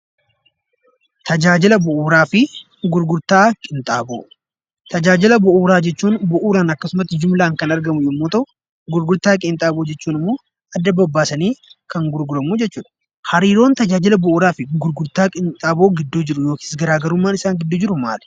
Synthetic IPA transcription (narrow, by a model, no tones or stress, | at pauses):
t̪ɐd͡ʒaːd͡ʒɪlɐbʊʔuːɾaːfɪ | ɡʊɾɡʊɾt̪aːkʼɪnt̪ʼaːbo̰ː | t̪ɐd͡ʒaːd͡ʒɪlɐbʊʔuːɾaːd͡ʒɛt͡ʃːuːnbʊʔuːɾaːnɐkːɐsʊmɐt̪ːɪd͡ʒʊmlaːŋkɐnɐɾɡɐmʊjɛmːoːt̪ɐʔʊ | ɡʊɾɡʊɾt̪aːkʼɪnt̪ʼaːboːd͡ʒɛt͡ʃːuːnɪmːo̞ː | ɐd̪ːɐbɐbːaːsɐniːkɐŋɡʊɾɡʊɾɐmuːd͡ʒɛt͡ʃːuːᶑ̪ɐ̥ | hɐɾiːɾo̞ːnt̪ɐd͡ʒaːd͡ʒɪlɐbʊʔuːɾaːfɪɡʊɾɡʊɾt̪aːkʼɪnt̪ʼaːbo̞ːɡɪd̪ːuːd͡ʒɪɾʊjo̞ːki̥ːsɡɐɾaːɡɐɾʊmːaːnɪsaːŋɡɪd̪ːuːd͡ʒɪɾʊma̰ːl